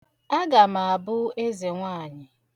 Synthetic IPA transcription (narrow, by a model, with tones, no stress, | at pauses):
a˦ɡa˨ma˨a˨bʊ˦e˦ze˨ŋʷaː˦˨ɲɪ˨